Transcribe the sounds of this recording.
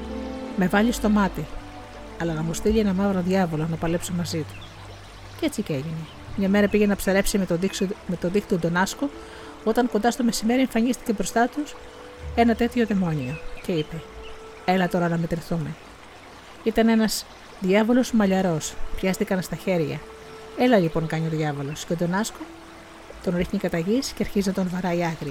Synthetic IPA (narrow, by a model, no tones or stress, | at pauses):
me̞vɐʎist̪o̞mɐt̪i | ɐlɐnɐmust̪iʎienɐmɐvɾoðʝɐvo̞lonɐpɐle̞psomɐzit̪u̥ | cet͡siceʝini | mɲɐme̞ɾɐpiʝenɐpsɐɾe̞psimet̪o̞ðixt̪t̪ud̪o̞nɐsko | o̞t̪ɐŋkond̪ɐst̪o̞me̞sime̞ɾieɱfɐɲist̪i̥ce̞bɾo̞st̪ɐt̪us | e̞nɐt̪e̞t̪ço̞ðe̞mo̞nio̞ce̞ipe̞ | elɐt̪o̞ɾɐnɐme̞t̪ɾiθume̞ | it̪ɐne̞nɐz̥ | ðʝɐvo̞lo̞zmɐʎɐɾo̞spçɐst̪ikɐnst̪ɐçe̞ɾʝɐ̰ | e̞lɐlipo̞ŋkɐɲio̞ðʝɐvo̞lo̞sceod̪o̞nɐsko̞ | t̪o̞nɾixɲikɐt̪ɐʝisceɐɾçizinɐt̪o̞nvɐɾɐiɐɣɾi